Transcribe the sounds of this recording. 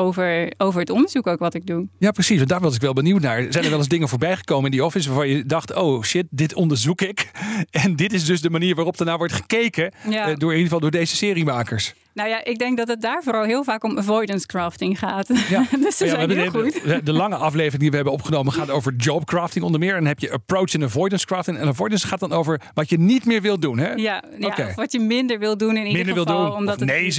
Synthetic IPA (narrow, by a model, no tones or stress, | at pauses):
owvəɹowvəɹətɔndəɹzukowkʋɑtɪɡ̚dujaːprəsis̬ʋɑndaːɹʋɑs̬ɪkʋɛlˠbəniwtnaːɹzɛjndəɹʋɛlˠɪzdɪŋənvʊːɹbɛjχə̥kowməɪndiɔfɪns̬ʋaːɹvɑnjədɑχtowʃɪt̚dɪtɔndəɹzukɪkɛndɪtɪzdɵzdəmaniːɹʋaːrɔp̚dəɹnaːʋɔɹtχə̥kejkədʊːɹɪniχəvɑlˠdʊːɹdejzəsɪːrimaːkəɹs | nowjaʔɪɡ̚dɛŋk̚dɑtət̚daːɹvʊːɾɑlˠɦɪːlˠvaːkɔməvɔjdənskɹaːftɪŋχaːtjadsɛbəutɛdəlɑŋəʔɑflejvərɪŋdiʋəɦɛbənɔpχənowməχaːtowvəɹd͡ʒopkraːftɪŋɔndəɹmɪːɹɛnɦɛpjəʔəprowt͡ʃɪnəvɔjdənskɹaːftɪŋɛ̰nəvɔjdənsχaːtdɑnowvəɹʋɑtjənitmɪːɹʋɪlˠdunɦɛjaoakeʋɑtjəmɪndəɹʋɪlˠdunɪnimɪndəɹʋɪlˠdunˠɔmdne